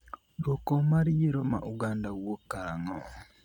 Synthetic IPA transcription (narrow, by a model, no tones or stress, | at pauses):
jokomaɾiɾoma̰ʔuɡaːndawokaŋo